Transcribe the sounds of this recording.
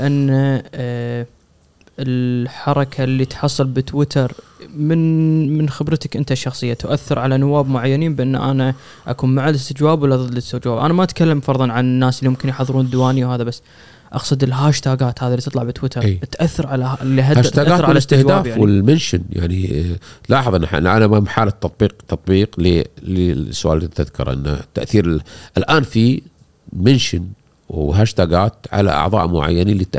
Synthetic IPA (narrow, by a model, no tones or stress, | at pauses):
ʔanːa | ɪlħɑɾˤɑkʰalːit̪ħɑsˤːɨlbɪt̪wɪt̪ɑɾˤmɪnmɪnxɪbɾt̪akʔɪnt̪aʃːɑxsˤɨjːat̪ʊʔaθːɑɾʕalanʊwːaːbmʊʕajːaniːnbɪʔɪnːʔana | ʔakuːnmaʕalɪst̪ɪd͡ʒwaːbwɪlːaðɨd̪ːɪst̪ad͡ʒwaːbʔa̰namaʔat̪kalːamfɑɾˤðˤɑnʕanɪnːaːslːimʊmkɪnjħɑðˤɨɾuːnəd̪ːwaːniwhaːðabasː | ʔɑqsˤɨd̪ɪlɦaːʃt̪aːɡaːt̪haːðilːit̪ɨt̪ˤlɑʕbɪt̪wɪt̪ʰɑɾˤt̪ʔaθːɑɾˤʕalalːiɦahaːʃaːɡaːtːɾˤʕalast̪ɪhw̪d̪aːawɪlmɪnʃɪnja̰ʕnilɑːħɑðˤənːaħʔlʕalamamħaːlat̪ːɑt̪̚ˤbiːq̚t̪ːɑt̪ˤbiːqlilisːʊʔa̰ːlt̪ɪðkɑ̰ɾˤʔɪ̰nːa̰t̪ːa̰ʔθiːɾʔɪlʔaːnfi | manʃɪn | wɦaːʃt̪aːɡaːt̪ʕa̰la̰ʔɑ̰ʕðˤɑ̰ːʔmʊʕa̰jːanilit̪